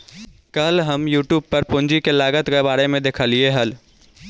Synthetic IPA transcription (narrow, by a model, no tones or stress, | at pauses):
kɐlɦɐmjuːʈjuːb̚pɐɾpʊ̃ɲd͡ʒikelaːɡət̪ɡebaːɾemẽd̪eːkʰaːlieɦɐl